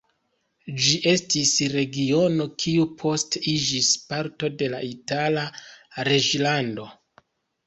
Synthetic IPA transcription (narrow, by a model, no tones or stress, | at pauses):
d͡ʒiʔe̞stisɾe̞ɡio̞no̞kʰiupʰo̞stid͡ʒispaɾto̞de̞laʔitalaɾe̞d͡ʒlando̞